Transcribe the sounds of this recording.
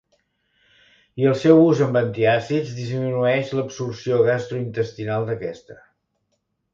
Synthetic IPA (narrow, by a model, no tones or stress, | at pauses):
iəlˠsɛwuzəmbənt̪iasizd̪izminuɛʃləpsursioɣast̪ɾuint̪əst̪inalˠd̪əkɛst̪ə